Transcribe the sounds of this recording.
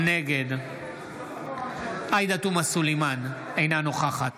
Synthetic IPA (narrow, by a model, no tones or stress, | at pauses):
neɡed̪ | ajd̪at̪umasulejman | ejnanoχaχat